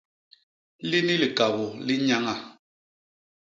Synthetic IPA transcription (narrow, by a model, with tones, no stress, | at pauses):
li˦ni˦li˨ka˨bɔ˨li˦ɲa˦ŋa˦˨